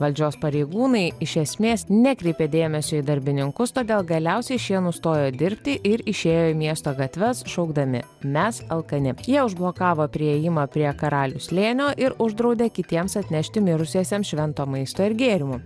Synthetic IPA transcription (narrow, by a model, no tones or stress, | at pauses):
ʋɐlʲd͡ʒʲoːspɐɾʲeɪɡuːnɐɪɪʃʲɛsʲmʲeːsnʲɛkɾʲɛɪpʲeːd̪ʲeːmʲɛsʲoːid̪ɐɾʲbʲɪnʲɪŋkʊst̪oːd̪ʲeːlˠɡɐlʲɛʊsʲɛɪʃʲiɛnʊst̪oːjoːd̪ʲɪɾʲpʲt̪ʲɪʔɪɾɪʃʲeːjoːimʲiɛst̪oːɡɐt̪ʲʋʲɛsʃɐʊɡd̪ɐmʲɪ̰ | mʲɛsɐlˠkɐnʲɪjiɛʊʒblˠoːkɑːʋoːpʲɾʲɪɛjɪmɐpʲɾʲiɛkɐɾɑːlʲʊslʲeːnʲoːʔɪɾʊʒd̪ɾɐʊd̪ʲeːkʲɪt̪ʲiɛmsɐt̪ʲnʲɛʃʲt̪ʲɪmʲɪɾʊsʲiɛsʲɛmʃʲʋʲɛnt̪oːmɐɪst̪oːɪɾɡʲeːɾʲɪmʊ